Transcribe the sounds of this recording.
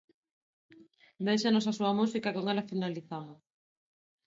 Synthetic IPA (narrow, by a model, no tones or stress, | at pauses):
d̪ejʃanosasuɐmusikakoŋɛlafinaliθamos